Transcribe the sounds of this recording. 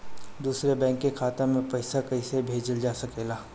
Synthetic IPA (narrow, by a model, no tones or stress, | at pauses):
d̪uːsɾebɛ̃ːŋkːekʰaːt̪ãmẽpɐɪsakɐisebʱeːd͡ʒəld͡ʒaːsɐkeːlaː